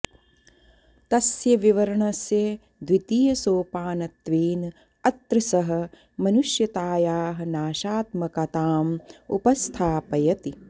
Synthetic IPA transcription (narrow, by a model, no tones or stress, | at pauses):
t̪ɐsjɐʋiʋɐɾɐɳɐsje | d̪ʋit̪iːjɐsoːpaːnɐt̪ʋeːn | ɐt̪ɾɨsɐɦɐ̆ | mɐnuʃjɐt̪aːjaːɦɐ̆naːʃaːt̪mɐkɐt̪aːmṵpɐst̪ʰaːpɐjɐt̪i